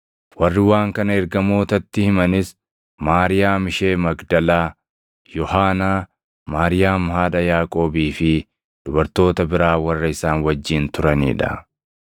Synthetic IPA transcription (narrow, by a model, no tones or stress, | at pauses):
wɐrːɪwaːŋkɐnɐɛɾɡɐmo̞ːt̪ɐt̪ːɪhɪmɐnɪs | maːɾɪjaːmɪʃe̞ːmɐɡd̪ɐlaː | jɔhaːnaː | maːɾɪjaːmhaːᶑɐjaːkʼo̞ːbiːfɪ | d̪̥ʊbɐɾt̪o̞ːt̪ɐbɪɾaːwɐrːɐɪsaːnwɐd͡ʒːiːnt̪ʊɾɐnḭːᶑɐ